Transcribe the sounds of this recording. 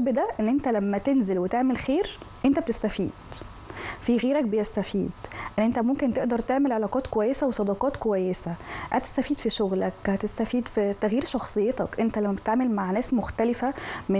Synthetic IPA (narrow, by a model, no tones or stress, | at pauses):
bd̪æʔenːʔent̪ælæmːæt̪enzelwet̪eʕmelxeːɾʔent̪æb̚et̪est̪æfiːd̪̥ | fiɣeːɾæk̚bejæst̪æfiːd̪ʔænːʔent̪æmomkent̪eʔd̪ɑɾˤt̪eʕmelʕelɑːqɑːt̪kowæjːesæwesˤɑd̪ɑqɑːt̪kowæjːesæʔæ̰t̪e̥st̪æfiːd̪fiʃoɣlækhæt̪est̪æfiːd̪fit̪æɣjiːɾʃɑxsˤejːet̪ɑkʔent̪ælæmːæbet̪eʕmelmaʕnæːsmoxt̪ælefæme